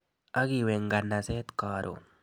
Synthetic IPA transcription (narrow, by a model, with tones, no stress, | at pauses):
a˦ɡi˨we˨ŋɡa˨nːa˨se˦t̪kaɾʔo̰˨